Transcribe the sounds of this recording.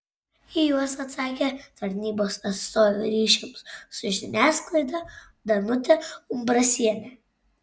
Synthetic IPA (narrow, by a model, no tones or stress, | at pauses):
ɪjuɔsɐt̪sɑːkʲet̪ɐɾʲnʲiːboːsɐt̪st̪oːʋʲuɾʲiːʃʲɪmssʊʒʲɪnʲæːsklˠɐɪd̪ɐ | d̪ɐnʊt̪ʲɛʊmbɾɐsʲiɛnʲe